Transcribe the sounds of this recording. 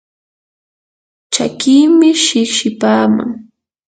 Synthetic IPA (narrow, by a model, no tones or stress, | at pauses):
t͡ʃa̰kiːmɪʃɪʃɪpaːma̰ŋ